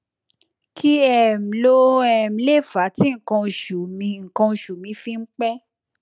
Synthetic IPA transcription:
kʰi˦ɛ˦˨m̩˨lo˦ɛ˦˨m̩˨˦le˦˨fa˨˦tĩ˦ŋ̩˨kã˧ʃu˨mĩ˧ŋ̩˨kã˧ʃu˨mĩ˧˦fĩ˧ŋ͡m̩˦k͡pɛ˦

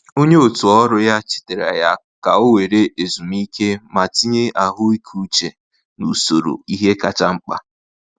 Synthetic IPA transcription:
o˦ɲe˦o˨tu˨ɔ˦ɾʊ˦ja˦t͡ʃɪ̥˦te˨ɾa̰˨ja˦ | ka˨o˦we˨ɾe˦ʔe˨zu˨m˦i˦ke˦ma˨ti˦ɲe˦a˨ɦʊ˦i˦kʰu˨t͡ʃe˨ | nṵ˨so˨ɾo̰˨i˦ɦe˦ka˨t͡ʃa˦ŋ͡m̩˦k͡pa̰˦

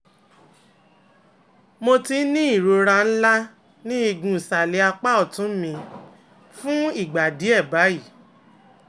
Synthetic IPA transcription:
mo˧ti˧˦nĩ˦i˦˨ɾo˧ɾã˧n̩˦la˦ | nĩ˦i˧ɡũ˧˨sa˨le˧˦a˧k͡pa˦ɔ˦˨tũ˨˦mĩ˧ | fũ˦i˦˨ɡ͡ba˨di˨˦ɛ˦˨ba˨˦i˦˨

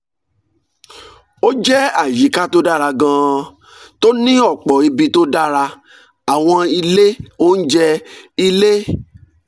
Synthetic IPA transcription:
o˦d͡ʒɛ˦a˨ji˨˦ka˦to˦da˦˨ɾa˧ɡã˧ | to˦nĩ˦ɔ˦˨k͡pɔ˨i˧bi˧to˦da˦ɾa˧ | a˨w̃ɔ̃˧i˧le˦o˦n̩˦d͡ʒɛ˦i˧le˦

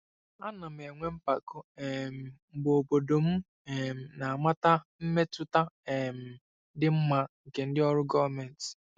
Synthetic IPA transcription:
a˦na˨m˨e˨ŋʷe˦m̩˦pa˨ko˦e˨m̩˨bo˨bo˨do˨m̩˦ | e˨m̩˨na˨a˨ma˦ta˦m̩˦me˦tʊ˦ta˦e˨m̩˨ | dɪ˦m̩˦ma˦ŋ̩˨ke˨n̩˦dɪ˦ɔ˦ɾʊ˦ɡɔ˦va˨mɛ˨n̩˨t

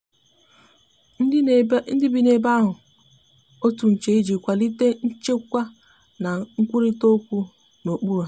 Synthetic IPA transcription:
n̩˦dɪ˦bi˨ne˨ba˦ɦʊ˨ | o˦tu˨n̩˨t͡ʃe˨i˦d͡ʒi˨kʷa˨li˦te˦n̩˦t͡ʃe˦kʷa˦ | na˨ŋ̩˦kʷu˦ɾi˦to˦kʷu˦ | no˨k͡pu˦ɾu˨

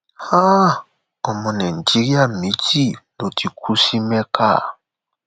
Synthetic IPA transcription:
ha˦ | ɔ˨mɔ̃˨nɛ˨n̩˨ti˦ɾja˦˨mi˨˦ti˦˨lo˨ti˨kʰu˦si˦mɛ˦kʰa˦˨

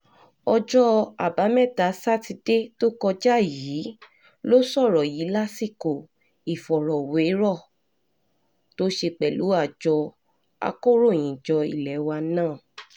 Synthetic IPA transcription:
ɔ˧d͡ʒɔ˦a˨ba˨˦mɛ˦˨ta˨˦sa˦ti˧de˦to˦kɔ˧d͡ʒa˦jiː˨˦ | lo˦sɔ˦˨ɾɔ˨ji˨˦la˦si˦˨ko˦˨ | i˨fɔ˨ɾɔ˨we˨˦ɾɔ˦˨ | to˦ʃe˧k͡pɛ˨lu˨˦a˦˨d͡ʒɔ˧ | a̰˧ko˦ɾo˦˨j̃ĩ˨d͡ʒɔ˧ḭ˨lɛ˨˦wa˧nãː˦˨

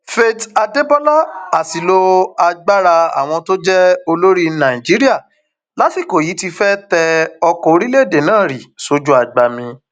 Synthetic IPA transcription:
fe˦ta˧de˦bɔ˦la˦a˨si˨lo˧a˧ɡ͡ba˦ɾa˧a̰˨w̃ɔ̃˧to˦d͡ʒɛ˦o˧lo˦ɾi˦nã˨i˨d͡ʒi˨˦ɾi˦a˦˨ | la˨˦ti˦˨ko˨ji˨˦ti˧fɛ˦tɛ˧ɔ˧kɔ˦˧˦ɾi˦le˦˨de˨nãː˦˨ɾi˨so˨˦d͡ʒu˦a˦˨ɡ͡ba˨mĩ˧

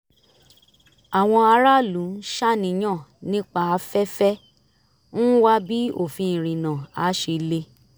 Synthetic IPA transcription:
a˨w̃ɔ̃˧a˧ɾa˦lũ˨˦ʃa˦nĩ˧˦j̃ã˦˨nĩ˦k͡pa˧a˧fɛ˦fɛ˦ | nũ˦wa˦bi˦o˦˨fĩ˧ĩ˨ɾ̃ĩ˨nã˨a˨˦ʃe˧le˧

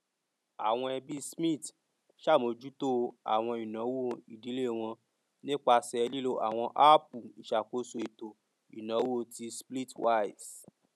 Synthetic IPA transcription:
a̰˨w̃ɔ̃˧ɛ˧bi˦smĩ˦˨t | ʃa˦˨mo˧d͡ʒu˦to˦a̰˨w̃ɔ̃˧i˨nã˨˦wo˦˧i˨di˨˦le˦˨w̃ɔ̃˧ | nĩ˦k͡pa˧sɛ˧li˦lo˧ʔa̰˨w̃ɔ̃˧ʔa˦pu˨i˨ʃa˨ko˨˦so˧i˨to˨ | ḭ˨nã˨˦wo˦o˦˧ti˧spli˦twa˦i˨s

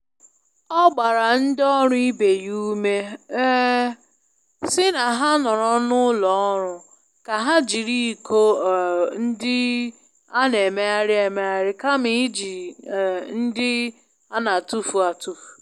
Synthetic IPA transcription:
ɔ˦ɡ͡ba˨ɾa˨n̩˦dɔ˦ɾʊ˦i˦be˨ju˦me˦ | sɪ˦na˨ɦa˦nɔ˨ɾɔ˦nʊ˦lɔ˨ɔ˦ɾʊ˨ | ka˨ɦa˦d͡ʒi˨ɾi˦˨ko˦˨n̩˦dɪ˦ | a˦ne˨me˦a˦ɾɪ˦e˨me˦a˦ɾɪ˦ka˦mi˨˦d͡ʒi˨ | n̩˦dɪ˦ | a˦na˨tu˦fu˨a˨tu˦fu̥˨

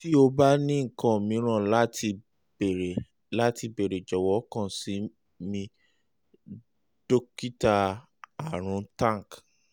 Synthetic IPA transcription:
ti˦o˧ba˦nĩ˦ŋ̩˨kã˨mĩ˨˦ɾ̃ã˦˨la˦ti˧˨ | ɾe˨ | la˦ti˧be˨ɾe˨d͡ʒɔ˨wɔ˨˦kã˦˨si˨˦ | mĩ˧ | d̥o˦ki˦ta˧ | a˨ɾ̃ũ˧˦tã˦˨k

